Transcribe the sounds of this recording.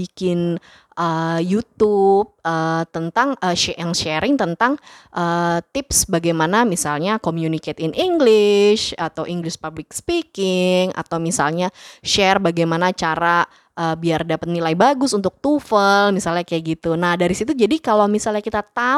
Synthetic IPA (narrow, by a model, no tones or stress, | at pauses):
ikɪn | ʔəjut̪up̚əːt̪ənt̪aŋəʃɛaŋʃɛɾɪŋt̪ənt̪aŋʔət̪ɪpsbaɡajmanamisalɲakomjuniket̪ɪnʔiŋɡlɪʃat̪awʔiŋɡlɪʃpablɪk̚spikɪŋa̰t̪awmisa̰lɲaʃɛrbaɡajmanat͡ʃaɾa | ʔəːbiardapət̪̚nilajbaɡʊsunt̪ʊk̚t̪ufəlmisalɲakajaʔɡit̪unahdaɾisit̪ud͡ʒadikalawmisalɲakit̪at̪a